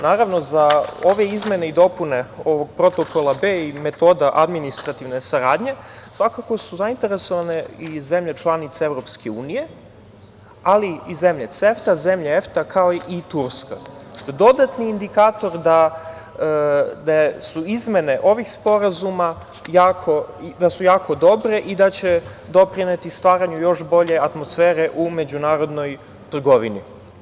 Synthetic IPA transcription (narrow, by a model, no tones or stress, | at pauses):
naːɾaʋno̞zaoʋe̞izme̞neid̪o̞pune̞o̞ʋo̞ɡ̚pɾo̞t̪o̞kʰo̞lˠabeime̞t̪o̞ːd̪aʔad̪minist̪ɾat̪iʋne̞saɾaːd̪ɲe̞sʋakako̞suzaint̪e̞ɾeso̞ʋaneize̞mʎet͡ʃlˠanit̪seevɾo̞pskeuːnije̞ | aliizemʎet̪seft̪azemʎeeft̪akʰaoit̪uɾska̰ʂt̪oed̪o̞d̪at̪niːnd̪ikaːt̪o̞ɾd̪a | d̪asuizme̞neʔo̞ʋixspo̞ɾazuma | jaːkʰo̞d̪asujaːkʰo̞d̪o̞bɾe̞ʔid̪at͡ɕe̞d̪o̞pɾinet̪ist̪ʋaːɾaɲujo̞ʃbo̞ʎe̞at̪mosfeːɾeʔume̞d͡ʑunaːɾo̞d̪no̞j | t̪r̩ɡo̞ʋinḭ